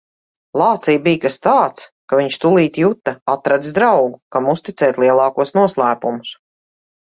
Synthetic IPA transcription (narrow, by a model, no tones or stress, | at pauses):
lˠɑːt̪sijbijkast̪aːt̪skaviɲʃt̪ulˠiːt̪jut̪ːaat̪ɾad̪izd̪ɾawɡukamust̪it̪sɛːt̪ʲlˠiɛlˠɑːkuɔsnuɔslˠæːpumʊs